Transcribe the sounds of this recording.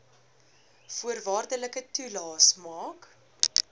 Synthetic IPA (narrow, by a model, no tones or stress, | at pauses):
fuərvɑːrdələkətulɑːsmɑːk